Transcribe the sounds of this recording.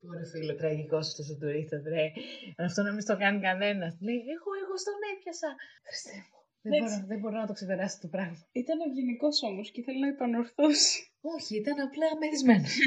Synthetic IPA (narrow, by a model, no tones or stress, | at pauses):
oɾefilot̪ɾɐʝiko̞st̪es̬it̪uɾist̪ɐt̪ɾeɐft̪onɐmist̪o̞kɐnikɐθe̞nɐst̪lejieɣoeɣost̪onepçɐsɐxɾi̥st̪evo | ðeɐboɾoðebo̞ɾinɐt̪o̞kse̞pe̞ɾɐst̪opɾɐɣmɐit̪ɐneʝeniko̞solosceθe̞linɐepɐno̞ɾθusi̥ | o̞çiit̪ɐnɐplɐːmeɾizmenos